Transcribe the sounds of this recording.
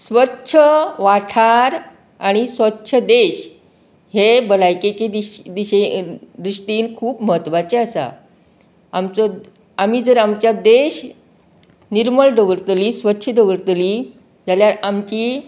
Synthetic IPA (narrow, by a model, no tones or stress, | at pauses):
sʋətːɕʰəʋaʈʰaɾ | a̰ɽ̃isʋətːɕʰəd̪eɕ | hebəlajket͡ɕeid̪iɕed̪ɾiʂʈiːnkʰuːpməɦət̪ːʋat͡ɕeasa̰ | amt͡sɔ | amiːd͡zəɾamt͡ɕjad̪eɕ | niɾməɭɖəʋəɾt̪liːsʋətːɕʰəɖəʋəɾt̪li | d͡zaljaɾamt͡ɕiː